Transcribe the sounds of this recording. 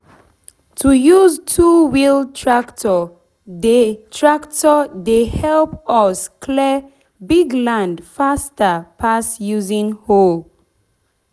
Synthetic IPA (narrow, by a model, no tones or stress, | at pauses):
tʰujuztʰuwiltʰɹaktʰɔ | detʰɹaktɔdehɛlpɔskʰlɛ | biɡlãndfastəpʰasjuzĩŋhol